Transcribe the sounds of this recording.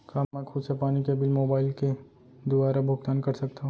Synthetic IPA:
kaːmɛ̃kʰʊːd̪sepaːnikebɪlmoːbaːɪlke | d̪ʊʋaːɾabʱʊɡt̪aːnkɐɾsɐk̚t̪aɦõ

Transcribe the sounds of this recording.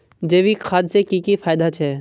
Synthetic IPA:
d͡ʒeːʋiːkʰaːd̪sekiːkifaːɪd̪at͡ʃʰɛː

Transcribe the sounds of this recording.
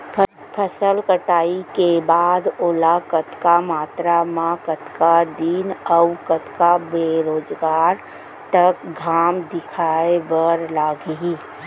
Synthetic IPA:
pʰəsəlkəʈaːikebaːd̪ʊlakət̪kamaːt̪ɾamãkət̪kad̪iːnəwkət̪kabeːɾoːd͡ʒɡaːɾ | t̪ɐkɡʱaːmd̪ɪkʰaːebəɾlaːɡeɦiː

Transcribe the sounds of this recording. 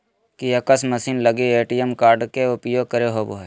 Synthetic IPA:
kijɐkəsməsiːnləɡieːʈijəmkaːɾɖkeʊpjoːɡ̚kəɾeɦoboɦe

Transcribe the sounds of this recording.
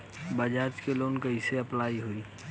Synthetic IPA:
bəd͡ʒaːd͡ʒkeloːnkəiseɐplaːiɦoiː

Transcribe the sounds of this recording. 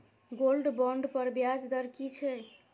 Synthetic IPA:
ɡolɖbɔɳɖpəɾbjad͡ʒd̪əɾkit͡ʃʰɛ

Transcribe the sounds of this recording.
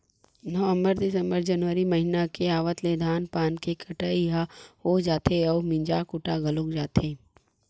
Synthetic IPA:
nəʋə̃mbəɾd̪ɪsə̃mbəɾd͡ʒɐnʋəɾimɐɦɪnakeaːʋət̪leːd̪ʱaːnpaːnkekʰɐʈaiɦaoːd͡ʒaːt̪ʰeɔːmɪ̃ɲd͡ʒakʊʈaɡʱɐlokd͡ʒaːt̪ʰeː

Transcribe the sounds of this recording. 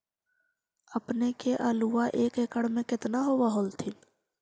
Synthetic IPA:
əpnekeʔəluːaʔeːkekəɽmẽkɪt̪naɦoʋaɦoːlt̪ʰɪn

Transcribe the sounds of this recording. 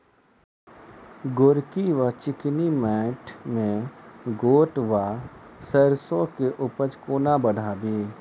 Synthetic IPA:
ɡoːɾkiʋat͡ʃɪknimɛ̃ːʈʰmẽɡoːʈʋasəɾsõkeʔʊpət͡ʃkoːnabəɽʱaːbiː

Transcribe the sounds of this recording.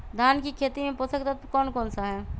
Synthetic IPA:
d̪ʱaːnkikʰeːt̪imẽpoːsəkt̪at̪kɔːnkɔːnsaɦɛː

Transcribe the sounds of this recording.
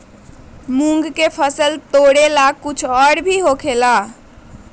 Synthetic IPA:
mũŋɡkepʰəsəlt̪oɽelakːut͡ʃʰɔɽbʱiɦokʰela

